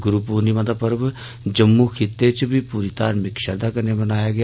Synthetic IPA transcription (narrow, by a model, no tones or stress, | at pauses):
ɡʊɾuːpuːniːʋãd̪aːpəɾb | d͡ʒəmːuːkʰɪt̪ːet͡ʃbʱiːpuːɾiːt̪aːɾmɪkʃəɾd̪aːkəɾnebənaːjaːɡɪj